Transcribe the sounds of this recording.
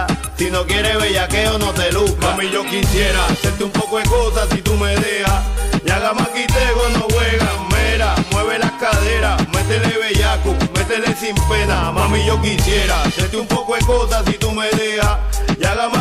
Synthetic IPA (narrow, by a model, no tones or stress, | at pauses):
sinokjeɾeβeʝakeonot̪elukamĩʝokisjeɾaseɾt̪eumpokwekosasit̪umeðehajaɣamakit̪eɣonoβweɣameɾamweβelahkaðeɾamet̪eleβeʝakumet̪elesimpenamãmĩʝokisjeɾaset̪eumpokwekosasit̪umeðehajaɣama